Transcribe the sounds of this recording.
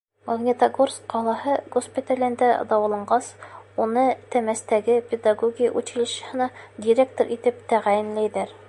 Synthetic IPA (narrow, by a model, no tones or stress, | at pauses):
mɐɡnʲɪt̪aɡorskqɒlˠɑɦɤɡospʲit̪ælʲɘ̆nd̪æd̪ɑwɑ̆lˠɤ̆ɴɢɑsunɤt̪æmæst̪æɡɘpʲed̪aɡoɡʲijʔʉt͡ɕilɘ̆ʃ̆hɤ̆nɑd̪ʲiɾʲekt̪oɾʔit̪ɘp̚t̪æʁæjɘ̆nlæjðæɾ